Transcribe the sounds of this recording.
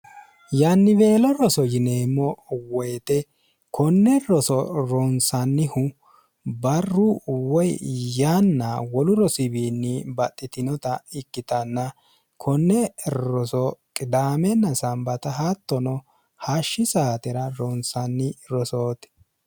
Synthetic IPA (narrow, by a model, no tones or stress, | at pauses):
janːɪbe̞ːlɔɾɔsɔjɪneːmːɔwɔjt̪ɛ | kʰɔnːɛɾɔsɔɾɔnsɐnːɪhʊ | bɐrːuwɔjjanːawɔlʊɾɔsɪbiːnːɪbɐt̪ʼːɪt̪ɪnɔt̪ɐɪkːɪt̪ɐnːɐ | kʰɔnːɛɾɔsɔkʼɪd̪aːmɛnːɐsɐmbɐt̪ɐɦat̪ːɔnɔ | haʃːɪsaːt̪ɛɾɐɾɔnsɐnːɪɾɔsoːt̪